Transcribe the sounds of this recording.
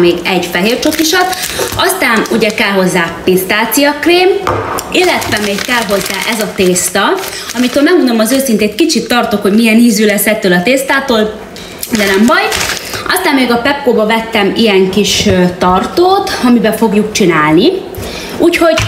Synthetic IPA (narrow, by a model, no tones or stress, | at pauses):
meːɡɛɟfɛɦeːrt͡ʃokiʃɒt̪ɒst̪aːnuɟɛkɛlɦo̞zːaːt̪ist̪aːt̪sijɒkreːmilːɛt̪ʋɛmeːkkɛlɦo̞lt̪ɛʔɛzɒt̪eːst̪ɒ | ɒmit̪oːlmɛɡmond̪o̞mɒzøːsint̪eːt̪kit͡ʃit̪ːɒrt̪o̞kho̞ɟmijɛniːzyːlɛsːɛt̪ːøːlɒt̪eːst̪aːt̪oːl | d̪ɛnɛmbɒjʔɒst̪aːmːeːɡɒpɛpkoːbɒvɛt̪ːɛmijɛŋkiʃøt̪ɒrt̪oːt̪ɒmibɛfo̞ɡjukt͡ʃinaːlni | uːcho̞ɟ